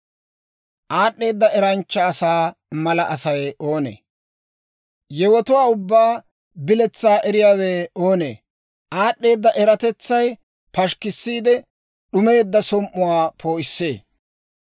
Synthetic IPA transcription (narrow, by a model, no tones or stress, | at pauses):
ʔaːɗːe̞ːd̪ːɐɛɾɐnt͡ʃːɐːsaː | mɐlɐʔɐsɐjo̞ːnḛː | jɛwɔt̪ʊwaːʊbːaː | bɪlɛt͡sːaːʔɛɾɪjaːweːo̞ːnḛː | ʔaːɗːe̞ːd̪ːɐʔɛɾɐt̪ɛt͡sːɐj | pɐʃkɪsːiːd̪ɛ | ɗʊme̞ːd̪ːɐsɔmʔːʊwaːpʰo̞ːʔɪsːe̞ː